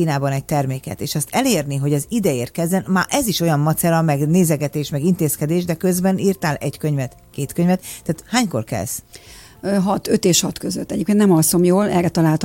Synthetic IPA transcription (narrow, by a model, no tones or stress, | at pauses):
iːnaːbɒnɛɟ̚t̪ɛrmeːkɛ̰t̪eːʃɒst̪ɛleːrniɦo̞ɟɒzid̪ɛeːrt̪kɛzːɛnmaːʔɛziʃo̞jɒmmɒt̪sɛlɒmɛɡneːzɛɡɛt̪eːʃmɛɡint̪eːskɛd̪eːʒd̪ɛkø̞zbɛniːrt̪aːlʔɛɟkøɲvɛt̪ | keːt̪køɲvɛt̪ːaːt̪haːɲko̞̰rkɛ̰ls | ɦɒt̪øt̪eːʃhɒt̪køzøt̪ːɛɟeːpkennɛmɒlsomjoːlɛ̰rɛt̪ɒlaːlt̪